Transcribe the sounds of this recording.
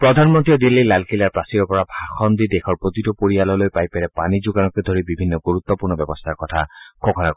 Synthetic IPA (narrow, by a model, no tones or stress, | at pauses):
pɹɔd̪ʱanmɔnt̪iɔd̪ilːilalkilaɹpasiɹɔpɔɹabʱaxɔnd̪id̪ekʰɔɹpɹot̪itɔpoɹialɔlojpajpeɹɛpanid͡ʒuɡanɔked̪ʱoɹibibʱinːɔɡuɹut̪ːɔpuɹnɔbjɔbɔst̪ʰaɹkɔt̪ʰakokʰɔna